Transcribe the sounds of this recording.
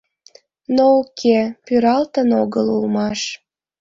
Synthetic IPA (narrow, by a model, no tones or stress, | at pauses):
noukʰepyɾɑlt̪ənoɣəlulmɑʃ